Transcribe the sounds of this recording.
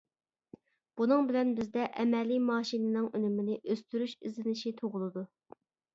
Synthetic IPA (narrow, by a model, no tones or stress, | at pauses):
b̥unɨŋbɪlɛnbɪzd̪ɛʔɛmɛlːimɑːʃinɨnɨŋønɪmɪnɪʔøst̪yɾyʃɪ̰zɪnɪʃit̪ʰoʁʊlˠɨd̪u